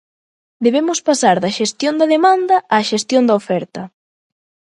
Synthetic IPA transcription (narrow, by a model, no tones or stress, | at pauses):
d̪eβemʊspasaɾðɐʃest̪jond̪ɐðemand̪ɐʔaʃest̪jond̪ɐofɛɾt̪ɐ